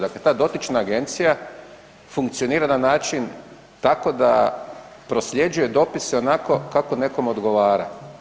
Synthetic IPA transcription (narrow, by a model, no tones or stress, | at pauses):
d̪akle̞t̪aːd̪o̞t̪it͡ʃnaːɡe̞nt̪sija | fuŋk̚t̪sio̞niːɾananaːt͡ʃin | t̪ako̞d̪a̰ | pɾo̞sʎʲje̞d͡ʒuje̞d̪o̞piseo̞nako̞kakone̞ko̞mod̪ɡo̞ʋaːɾa̰